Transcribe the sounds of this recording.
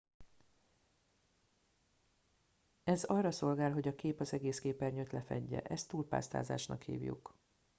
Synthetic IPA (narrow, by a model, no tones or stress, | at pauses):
ɛzɒrːɒso̞lɡaːlɦo̞ɟɒkeːpɒzɛɡeːskeːpɛrɲøt̪lɛfɛ̰ɟːɛ̰ʔɛst̪ːuːlpa̰ːst̪a̰ːza̰ːʃnɒ̰khḭːvjṵk